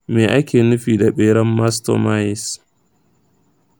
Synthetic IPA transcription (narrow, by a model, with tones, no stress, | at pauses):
meː˨ʔa˦kʲeː˨nʊ˦ɸiː˨da˨ɓeː˦ɽɐ˦mːa˦sto̰˨ma˦jɪ˨s